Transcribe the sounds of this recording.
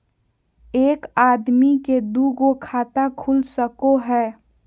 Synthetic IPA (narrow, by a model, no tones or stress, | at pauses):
eːkaːd̪miked̪uɡokʰaːt̪akʰulsəkoɦɛː